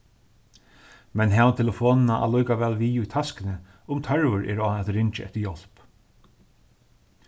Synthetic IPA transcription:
mɛnɦɛːvant̪ʰɪlafɔːnɪnaʔa̰lɔjkaʋɛːlʋiːʊjt̪ʰaskɪnɪ | ʊmt̪ʰœɹvʊɾʔɛ̰ːɾaːɛt̪ɾɪnt͡ʃɪɛ̰ht̪ɪɾjɔl̥p

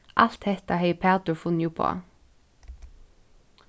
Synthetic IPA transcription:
ʔɑl̥t̪hɛt̪əheɪpʰæːd̪ʊfʊnjʊpʰo̰ː

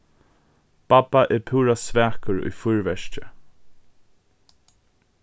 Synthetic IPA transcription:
b̥abaʔɛɾpʰuːɹasvɛːkəɹʊ̰jfʊɹvɛʃcə

